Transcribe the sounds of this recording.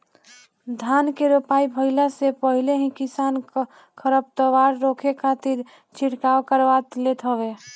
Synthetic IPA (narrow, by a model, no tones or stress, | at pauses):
d̪ʱankeɾopaibʱəɪlasepəɦileɦĩkisan | kʰəɾəb̚t̪əʋaɾːokʰekʰat̪iɾ | t͡ʃʰiʈkawkəɾʋat̪let̪ɦəbe